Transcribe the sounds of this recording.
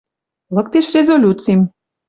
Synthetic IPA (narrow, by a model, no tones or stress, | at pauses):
lˠɤk̚t̪eʃrʲezolʲut̪t͡sijm